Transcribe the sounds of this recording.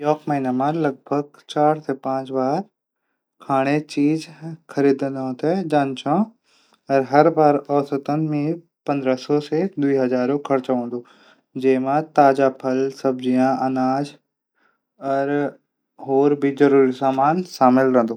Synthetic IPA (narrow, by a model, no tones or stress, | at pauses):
jɔːkməɦiːnamãlɐɡ̚bʱəɡ̚ | t͡ɕaːɾsẽpãːt͡ʃbaːɾ | kʰaːɽ̃et͡ɕiːzkʰɐɾiːd̪ənɦõːt̪ed͡ʑaːnt͡ʃʰõ | ɐɾɦɐɾbaːɾɔːsət̪ənɪ̆mẽ | pɐ̃nd̪ɾəsɔsed̪ʊiːɦɐzaːɾõkʰɐɾt͡ɕaɦõːn̆d̪o | d͡ʑeːmãt̪aːd͡ʒapʰɐlsɐbd͡ʑijãʔɐnaːd͡ʑ | ɐɾ | ɦoːɾbizɐɾuːɾisaːmaːnsaːmɪlɾɐ̃ɦənd̪oː